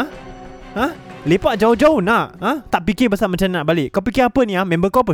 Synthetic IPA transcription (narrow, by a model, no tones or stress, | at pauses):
ãlepaʔ̚d͡ʒaod͡ʒaʊnaʔãt̪aʔpikɪbəsamãt͡ʃannaʔbalɪʔkawpikɪapənĩamɛ̃mbəkapə